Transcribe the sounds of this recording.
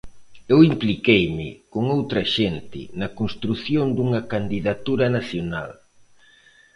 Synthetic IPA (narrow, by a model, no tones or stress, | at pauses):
ewimplikejmɪ̰koŋowt̪ɾɐʃent̪ɪ̰nɐkonst̪ɾuθjond̪uŋɐkand̪iðat̪uɾɐnaθjona̰l